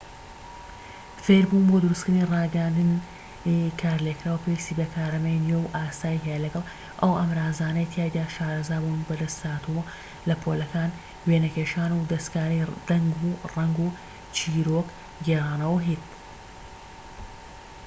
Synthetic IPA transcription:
feɾbuːnbod̪ɨɾuskɨɾnirɑːɡɛjand̪ɨn | ikʰaːɾlekɾaːwɐpʰeːwist̪iːbɐkʰaːɾɐmɐjnɥewʔaːsaːjiɦejɐlɐɡɐlˠ | ʔɐwʔɐmɾaːzaːnɐjt̪ʰjaːjd̪aːʃaːɾɐzaːbuːnbɐd̪ɐst̪aːt̪u | lɐpʰoːlɐkaːn | weːnɐkeːʃaːnud̪ɐst̪kaːɾijd̪̥ɐŋɡurɐŋɡu | t͡ʃʰiːɾok | ɡɛrˤaːnɐwɐɦit̪̚

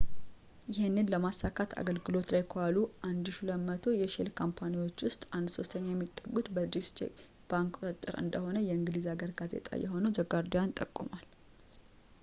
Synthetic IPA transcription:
jɪhɪnːɨnləmasːakʰat̪ʰa̰ɡəlɡɨlo̞t̪lajkʰoaluʔand̪ɨʃuləmːət̪ʰo̞jɛʃilkʰompʰaniwo̞t͡ʃːwʊst̪ʼand̪so̞st̪ʰəɲːajɛmːit̪ʼːəɡːut̪bəd̪ist͡ʃʼḛ | b̥aŋkt̪ʼɨt̪ʼːɨ̰ɾɨ̰nd̪əho̞nəjɛɨŋɡɨlizaɡəɾɡaze̞̰t̪ʼa̰jɛ̰ɦo̞nəwzəɡaɾd̪ojant̪ʼəkʼːumal

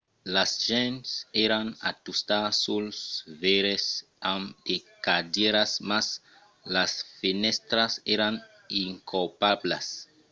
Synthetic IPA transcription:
lasʒɛ̃nsɛɾãna̰t̪ust̪asulsveɾes | amd̪̥ekadjɛɾasmas | lasfinɛst̪ɾasɛɾãn | iŋkolpablas

